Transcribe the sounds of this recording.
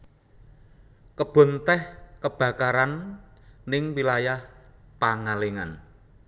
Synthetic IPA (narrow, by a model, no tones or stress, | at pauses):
kəb̥ɔ̤nt̪ɛhkəb̥ä̤kaɾanː | ɪŋwilajahpaŋaleŋa̰n